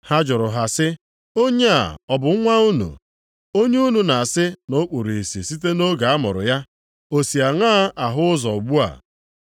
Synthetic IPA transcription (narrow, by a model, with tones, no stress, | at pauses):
ha˦d͡ʒʊ˨ɾʊ˨ɦa˨sɪ˦ | o˦ɲe˦a̰˨ɔ˨bʊ˨˦ŋʷa˦u˦nṵ˨ | o˦ɲe˦u˦nu˨na˨sɪ˦no˦k͡pu˨ɾi˨si˨si˦te˦no˦ɡa˨a˦mʊ̰˨ɾʊ̰˨ja˦ | o˨si˨a˨ŋa˦ʔa˨ɦʊ˦ʊ˦zɔ˨ɡ͡bu˦a̰˨